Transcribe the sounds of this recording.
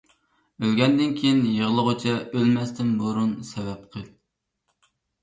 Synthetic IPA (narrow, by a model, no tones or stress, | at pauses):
ølɡʲɛnd̪ɪnkʲʰejinjəʁlˠəʁot͡ʃʰɛølmɛst̪ɪmboɾunsɛvɛp̚qʰə